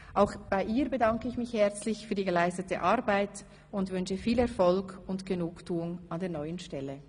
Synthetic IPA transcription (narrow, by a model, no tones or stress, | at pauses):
ʔaʊxb̥aɪʔiːʁbədaŋkəɪçmɪçhɛʁt͡slɪçfyːɐdiːɡəlaɪstətə̰ʔaʁbaɪt | ʊntvʏnʃəfiːlɛʁfɔlkʊntɡ̥ənuːktʰuːʊŋandeːɐnɔʏənʃtɛlə